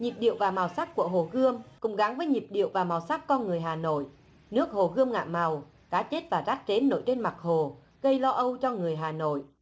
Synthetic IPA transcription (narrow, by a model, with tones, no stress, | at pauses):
ɲi˨˩p̚ɗḭ˧˨əwvaː˨˩ma˨˩wsa˦˥k̚ku˧˩əɦo˨˩ɣɨ˧əmkʊ̰˧˥ŋ͡mɣa˨˦ŋvəː˨˦jɲi˨˩p̚ɗḭ˧˨əwvaː˨˩ma˨˩wsa˦˥k̚kɔ˧nŋɨ˨˩əjɦaː˨˩no̰˧˨jʔ | nɨ˦˥ək̚ho˨˩ɣɨ˧əmŋa̰ː˧˨ma˨˩w | kaː˨˦t͡ɕe˦˥t̚vaː˨˩za˦˥t̚t͡ɕe˨˦nːo̰˧˨jte˧nma˨˩k̚ho˨˩ | ɣə˧jlɔ˧ʔə˧wt͡ɕɔ˧ŋɨ˨˩əjɦaː˨˩no̰˧˨j